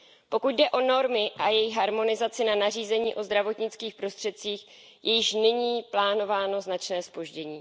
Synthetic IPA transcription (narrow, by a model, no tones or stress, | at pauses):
po̞kuɟ̚dɛʔo̞no̞ɾmɪʔajɛjɪxɦaɾmo̞nɪzat͡sɪnanariːzɛɲiːʔo̞zd̪ɾavo̞t̪ɲɪt͡skiːxpɾo̞st̪r̥ɛt̪̚t͡siːx | jɛjɪʃnɪɲiːplaːno̞vaːno̞znat͡ʃnɛːspo̞ʒɟɛɲiː